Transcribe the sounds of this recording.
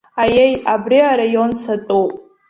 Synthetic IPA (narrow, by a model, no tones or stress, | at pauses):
ajejabriaɾajonsatʼupʼ